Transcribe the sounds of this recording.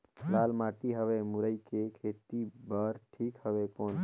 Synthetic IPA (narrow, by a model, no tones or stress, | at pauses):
lalmaʈiɦəβemuɾəjkekʰet̪ibəɾʈʰikɦəbekon